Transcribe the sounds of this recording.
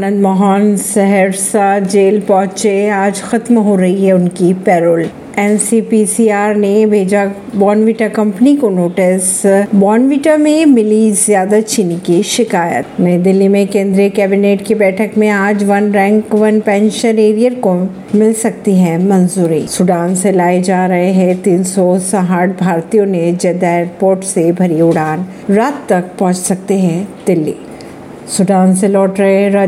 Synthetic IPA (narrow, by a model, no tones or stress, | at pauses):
anə̃nd̪mɔɦaːnsɛɦɛɾsad͡ʒeːlpɔːɦt͡ʃeaːd͡ʒxɐt̪mɦoɾɐɦiɦɛʊnkipɛːɾoːl | ɛːnsipisiaːɾnebʱeːd͡ʒabɔːnʋiːʈakɐ̃mpnikonoːʈɪsbɔːnʋiːʈamẽmɪlizjaːd̪at͡ʃʰiːnikiʃɪkaːjə̰t̪meɾd̪ɪlːimẽkẽːnd̪ɾijekɛːbineːʈkibɛːʈʰəkmẽaːd͡ʒʋɐnɾɛ̃ːŋkʋɐnpɛ̃ːnʃə̃neːɾijəɾko | mɪlsɐk̚t̪iɦɛ̃mɐnzuːɾisʊɖaːnselaːed͡ʒaːɾɐɦeɦɛ̃t̪iːnsɔsɐɦaːʈ̚bʱaːɾt̪ijõned͡ʒɛːd̪aeːɾpoːɾʈsebʱɐɾiʊɽaːn | ɾaːt̪ːɐk̚pɔ̃ɦʊ̃t͡ʃsɐk̚t̪eɦɛ̃d̪ɪlːḭː | sʊɖaːnselɔːʈɾɐɦeɾa